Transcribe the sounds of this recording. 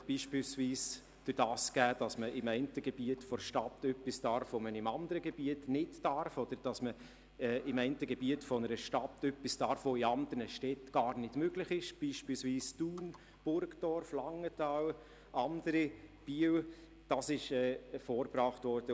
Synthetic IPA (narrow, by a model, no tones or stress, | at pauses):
b̥iːʃpiːlsviːs | d̥yɾd̥ɑːsɡ̥æːd̥ɑsməʔɪmɛɪntəɡeb̥iətfɔɾʃtɑtœpːistɑɾfʋomənɪmɑnd̪əɾəɡeb̥iətnɪtːɑɾfɔd̪̥əɾd̥ɑsmə | ɛːʔɪmɛɪntəɡebiətfɔnəɾəʃtɑtœpːistɑːɾfʋoɪɑnd̥̪əɾnəʃtɛtɡ̥ɑːɾnɪd̥møɡlɪχɪʃb̥iːʃpiːlsʋiːstuːn | b̥ʊɾɡd̥ɔɾflɑŋːətɑw | ɑndəɾib̥iəw | d̥ɑsɪʃɛːɛfɔːɾpɾɑːχtʋɔɾd̥ə